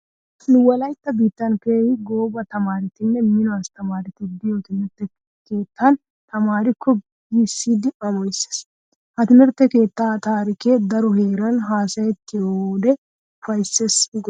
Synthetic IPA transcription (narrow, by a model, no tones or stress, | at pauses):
nʊwɔlɐjt̪ːɐbiːt̪ːɐnkejɡo̞ːbɐt̪ɐmaːɾɪt̪ɪnːɛmɪnɔɐst̪ɐmaːɾɪt̪ɪb̪ɪjot̪ɪmɪɾt̪ːɛ | ke̞ːt̪ːɐn | t̪ɐmaːɾɪkʰːɔ | isːiːd̪ɪʔɐmɔjɪse̥s | hɐt̪ɪmɪɾt̪ːɛke̞ːt̪ːaːt̪aːɾɪkeːd̪ɐɾɔheːɾɐnɦaːsɐjɛt̪ːɪod̪ɛ | ʊfɐjsːesɪɡ